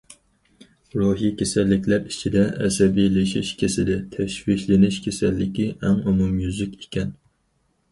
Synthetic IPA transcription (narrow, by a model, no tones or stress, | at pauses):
ɾoɦijikʲʰesɛlːɪkʲʰlæɾit͡ʃʰid̪ɛɛsɛbijlɪʃiʃkʲʰesɪd̪ɪt̪ʰɛʃwiʃʲlɪnɪʃkʲʰesɛlːɪkʲiʔɛŋumumjyzykʲi̥kʲɛn